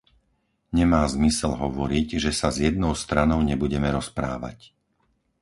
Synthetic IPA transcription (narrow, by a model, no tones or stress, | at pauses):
ɲɛmaːzmisɛlɦɔʋɔɾiɟʒɛsazjɛd̪̚nɔʊst̪ɾanɔʊɲɛbuɟɛmɛɾɔspɾa̰ːʋa̰c